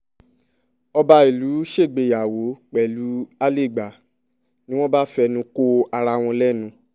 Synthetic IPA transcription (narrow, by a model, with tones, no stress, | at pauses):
ɔ˧ba˧i˨lu˨˦ʃe˦˨ɡ͡be˨ja˨wo˨˦k͡pɛ˨lu˨˦a˦le˦˨ɡ͡ba˨ | nĩ˦w̃ɔ̃˦ba˦fɛ˧nũ˧ko˦a˧ɾa˧w̃ɔ̃˧lɛ˦˨nũ˧